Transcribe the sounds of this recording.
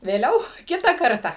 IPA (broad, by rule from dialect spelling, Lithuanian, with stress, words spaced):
ʋʲeːˈlʲɛʊ ˈkʲɪtɐ ˈkɐrtɐ